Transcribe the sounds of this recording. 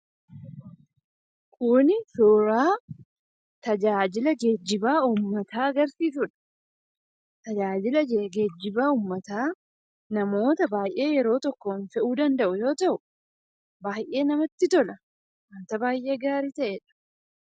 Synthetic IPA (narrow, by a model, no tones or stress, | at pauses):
kʰʊnɪsoːɾaː | t̪ɐd͡ʒaːd͡ʒɪlɐd͡ʒed͡ʒːɪbaːuːmːɐt̪aːɐɡɐɾsiːs̬ʊᶑɐ̥ | t̪ɐd͡ʒaːd͡ʒɪlɐd͡ʒeɡed͡ʒːɪbaːuːmːɐt̪aː | nɐmo̞ːt̪ɐbaːjʔe̞ːjɛɾo̞ːt̪ɔkːonfɛʔuːd̪ɐnd̪ɐʔʊjo̞ːt̪ɐʔʊ | baːjʔe̞ːnɐmɐt̪ːɪt̪ɔlɐ | mɐnt̪ɐbaːjʔe̞ːɡaːɾiːt̪ɐʔeᶑ̥